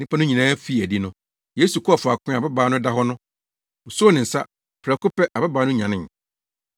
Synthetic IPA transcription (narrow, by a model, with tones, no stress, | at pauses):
nɪ̃˦pʰã˦nʊ̃˦ɲĩ˨nãː˦fi˦˨æ˨di˦nʊ̃˦ | je˦su˨kʰʊ˦a˨fʊ˨a˨kʰʊ̃˦˨a˨bɛ˦baː˦nʊ̃˦da˦ɦɔ˦nʊ̃˦ | o˨su˦nɪ̃˨n̩˨sa̰˦ | pʰɾɛ˨kʊ˦pɛ˦ʔa˨bɛ˦baː˦nʊ̃˦ɲã˨nɪ̃˦˨